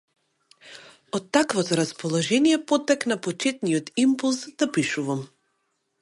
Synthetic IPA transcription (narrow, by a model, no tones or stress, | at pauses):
ɔt̪ːakvɔt̪ɔɾaspɔlˠɔʒɛnijɛpɔt̪ːɛknapɔt͡ʃɛt̪nijɔt̪impulˠsd̪apiʃuvam